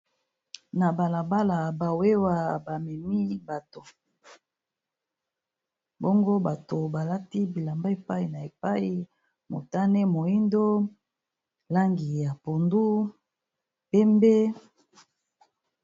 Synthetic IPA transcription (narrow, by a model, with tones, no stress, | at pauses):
na˨ba˨la˨ba˦la˨ba˨we˦wa˨ba˨mɛ˨mi˦ba˨to˨ | bo˦ŋɡo˦ba˨to˨ba˨la˦ti˦bi˨la˨mba˦e˨pa˦i˨na˨e˨pa˦i˨ | mo̰˨ta˦nɛ˦mo˨i˦ndo˦ | la˦ŋɡi˨ja˨po˨ndu˦ | pɛ˦mbe˦